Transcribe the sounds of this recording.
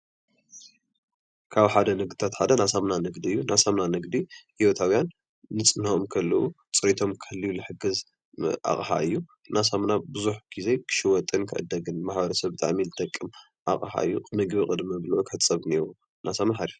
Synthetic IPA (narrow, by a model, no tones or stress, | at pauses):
kʰaβħad̪ɐnɨɡ̚d̪it̪ʰat̪ħad̪ɐnasamnanɨɡd̪iɨjːunasamnanɨɡd̪ihiwot̪ʰawjanː | ɨt͡sʼɨnɐʔomkʰɐlːɐʔu | t͡sʼɨɾit̪ʰo̞mkʰɨɨlːijulɨħɨɡɨz | ʔa̰kʼħa̰ɨjːu | nʔasamnabɨzuħɡ̥izekʰɨ̥ʃɪwɔt̪ʼːɨnkʰɨ̰ʔɨ̰d̪ːɐɡɨnmaħbɐɾɐsɐβbɨt̪ʰʼa̰ʕmilɨt̪ʰʼɐkʼːɨm | ʔa̰χʼħa̰ɨjːukʼɨnɨɡβikʼɨd̪mɨβlʔukʰɨ̥ħɨt̪t͡sʼːɐβneɾu | nʔasamnaħaɾif